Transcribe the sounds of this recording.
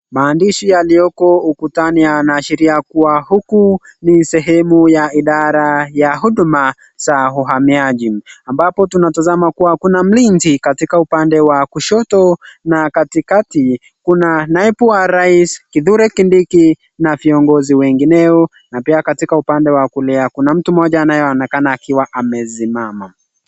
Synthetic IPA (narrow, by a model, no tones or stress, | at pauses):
maːndiʃijaliɔkɔukutanijanaːʃiɾiakuwahukunisɛɦɛmujaiɗaɾajaɦuɗuma | z̥aɦuɦamiaʄiambapɔtunatazamakuwakunam̩linzikatikaupandɛwakuʃɔtɔnakatikati | kunanaɛpuwaɾaiskiðuɾɛkindiki | naviɔŋɡɔziwɛŋɡinɛɔ | napiakatikaupandɛwakulɛakunam̩tumɔʄaːnajɔaɔnɛkanaːkiwaʔamɛsimama